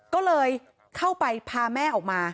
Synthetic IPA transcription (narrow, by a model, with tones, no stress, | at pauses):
kɔː˥˩lɤː˧j | kʰa˥˩wpa˧jpʰaː˧mɛː˥˩ʔɔː˨˩k̚maː˧